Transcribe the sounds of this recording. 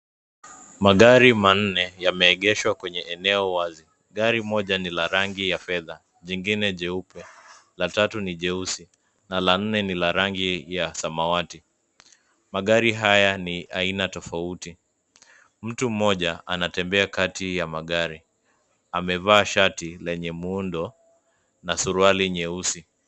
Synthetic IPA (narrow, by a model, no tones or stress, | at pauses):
maɠaɾiman̩nɛjamɛːɠɛʃwakwɛɲɛʔɛnɛɔwazi | ɠaɾimɔʄanilaɾaŋɡijafɛða | ʄiŋɡinɛʄɛupɛlatatuniʄɛusi | nalan̩nɛnilaɾaŋɡijasamawati | maɠaɾiɦajaniʔainatɔfauti | m̩tum̩ɔʄaʔa̰natɛmbɛakatijamaɠaɾi | amɛvaːʃatilɛɲɛmuundɔ | nasuɾualiɲɛusi